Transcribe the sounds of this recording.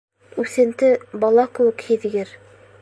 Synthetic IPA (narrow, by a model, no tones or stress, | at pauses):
ʉθɘ̆nt̪ɘbɑlˠɑkɘ̆wɘ̆khiðɡɘɾ